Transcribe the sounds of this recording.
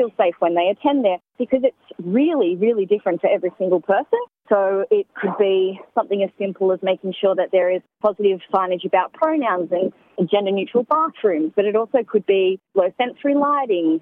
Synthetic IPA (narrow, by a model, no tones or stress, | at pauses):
ilˠseɪfwɨ̃nðeɪɨtʰɛ̃nðə˞b̥ɨkʰʌzɨtsɹɪlˠiɹɪlˠidɪfɹɨ̃ntʰɨɛvɹisɪ̃ŋɡl̩ˠpʰɜ˞sɨ̃nsoʊɪt̚kʰɨd̚bisʌ̃mθɪ̃ŋɨz̥sɪ̃mpl̩ˠəzmeɪkɪ̃ŋʃʊɹðɨt̪̚ðə˞ɪz̥pʰɑzɨɾɪv̥fɑ̃ɪ̃nɨd͡ʒɨbaʊt̚pʰɹ̥oʊnãʊ̃nzɨ̃n | d͡ʒɛ̃ndə˞njʉt͡ʃɹ̥l̩ˠbɑɹkɹʉ̃mzb̥ʌɾɨɾɔlˠsoʊkʰɨd̚biloʊθɛ̃nsɹilaɪɾɪ̃ŋ